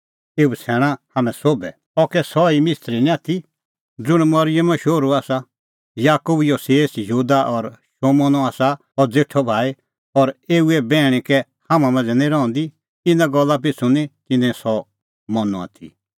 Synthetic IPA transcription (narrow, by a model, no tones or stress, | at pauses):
eːusʰɛːɽ̃ãhaːmɛ̃soːbɛ | ɔkɛsɔimɪst̪ɾinĩaːt̪ʰi | d͡zʊɽ̃mɔɾɪjəmʃoːɾuaːsa | jaːkubjɔseːsjuːd̪aʔɔɾʃoːmɔnɔaːsa | ɔɾd͡zeʈʰɔbʱaːe | ɔɾeːuɛbɛːɽ̃ĩkɛ | hamãmãnd͡zɛnĩɾɔɔ̃nd̪i | ɪnãɡɔlːap̬ɪt͡sʰunĩt̪ɪnɛ̃sɔ | mɔnɔ̰a̰ːt̪ʰḭ